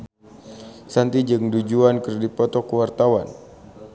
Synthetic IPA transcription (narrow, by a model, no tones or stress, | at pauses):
sant̪id͡ʒɨŋdud͡ʒuankərdipɔt̪ɔkuwart̪awan